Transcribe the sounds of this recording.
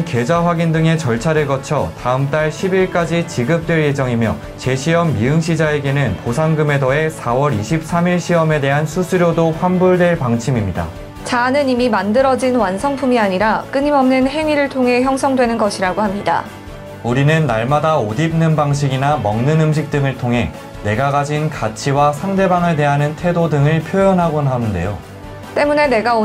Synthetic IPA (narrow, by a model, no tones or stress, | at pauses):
nke̞d͡ʑaɸwaɡindɯŋe̞t͡ɕʌɭt͡ɕʰaɾeɭɡʌt͡ɕʰʌtaɯmt͈aɭɕʰibiɭk͈ad͡ʑit͡ɕiɡɯp̚t͈we̞ɭje̞d͡ʑʌŋimjʌ̰ | t͡ɕe̞ɕʰiʌmːiɯŋɕʰid͡ʑae̞ɡe̞nɯnposʰaŋɡɯme̞dʌe̞sʰawʌɾiɕʰip̚s͈ʰamiɭɕʰiʌme̞de̞ɦansʰusʰuɾjodoɸʰambuɭdwe̞ɭpaŋt͡ɕʰimimɲida̰ | t͡ɕanɯnimimandɯɾʌd͡ʑinwansʰʌŋpʰumiaɲiɾak͈ɯɲimʌmnɯnɦe̞ŋɥiɾɯɭtʰoŋɦe̞çjʌŋsʰʌŋdwe̞nɯnɡʌɕʰiɾaɡohamɲida̰ | uɾinɯnːaɭmadaodib̚nɯnbaŋɕ̬ʰiɡinamʌŋnɯnɯmɕ̬ʰik̚t͈ɯŋɯɭtʰoŋɦe̞ | ne̞ɡaɡad͡ʑinkat͡ɕʰiwasʰaŋde̞baŋɯɭte̞ɦanɯntʰe̞dodɯŋɯɭpʰjojʌnɦaɡonɦanɯnde̞̰jo | t͈e̞mune̞ne̞ɡao